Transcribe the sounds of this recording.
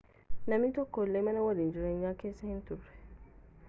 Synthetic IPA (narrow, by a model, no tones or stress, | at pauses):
nɐmitɔkːolːemɐnɐwadĩnd͡ʒiɾeɲːakesɛhĩntuɾɛ